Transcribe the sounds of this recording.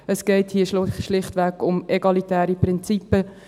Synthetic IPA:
əsɡ̥ɛɪthiːʃʃlɪχtʋɛkʊmeɡɑlitæːɾipɾɪnt͡sipːə

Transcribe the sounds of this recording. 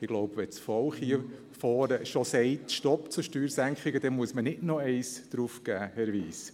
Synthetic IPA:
ɪɡ̥loʊbʋɛt͡sfɔlχhiə | fɔːɾəʃɔsɛɪtʃtɔpt͡suʃtyːɾsæŋkχɪɡəd̥ɛnmuəsmənɪdnɔɛɪsd̥ɾufɡ̥æːhɛɾʋiːs

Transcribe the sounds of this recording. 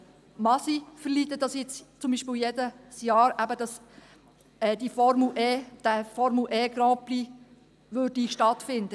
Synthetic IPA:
mɑsifəɾliːt̪ːədɑsjɛt͡st͡sʊmbiːʃpɪːljɛdəsjɑːɾæbəd̥ɑs | ɛːd̥̪ifɔɾmuʔɛːd̪̥æfɔɾmuʔɛːɡɾɑ̃ːpli | ʋødiʃtɑtfɪnd̪ə

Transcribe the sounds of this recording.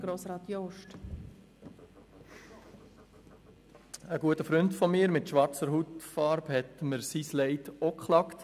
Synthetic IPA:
ɡ̥ɾoːsɾɑːt̪joʃt | əɡuətəfɾʏntfɔmiːɾmɪtʃʋɑɾt͡səɾɦut̪fɑːɾbhɛt̪məɾsislɛɪtokχlɑkt

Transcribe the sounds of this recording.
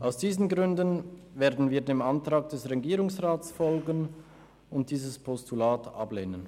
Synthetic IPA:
ʔaʊsd̥iːzn̩ɡʁʏndənveːɐdn̩viːɐdeːmantʁ̥aːɡ̚d̥ɛsʁeɡiːɾʊŋsʁaːtsfɔlɡən | ʊnt̚d̥iːzəspʰɔstulaːtʔa̰bleːnən

